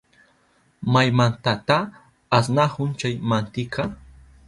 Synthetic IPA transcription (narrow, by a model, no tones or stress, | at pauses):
majmant̪at̪aː | s̬nahʊnt͡ʃajmant̪ɪkʰa